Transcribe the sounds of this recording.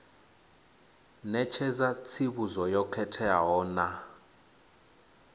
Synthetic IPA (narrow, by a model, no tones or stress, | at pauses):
nɛt͡ʃʰɛzat͡sʰiβuzɔjɔkʰɛtʰɛaɦɔːna